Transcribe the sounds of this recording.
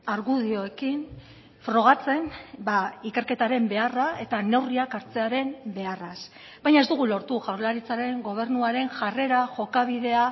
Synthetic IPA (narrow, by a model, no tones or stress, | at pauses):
aɾɣuðio̞ekin | fɾo̞ɣ̞at͡se̞nbaike̞ɾke̞t̪aɾe̞mbe̞arae̞t̪ane̞wriakaɾt͡se̞aɾe̞mbe̞aras | bajɲae̞zd̪uɣ̞ulo̞ɾt̪uʝawɾlaɾit͡saɾe̞ŋɡo̞β̞e̞ɾnuaɾe̞ŋʝare̞ɾaʝo̞kaβ̞iðe̞a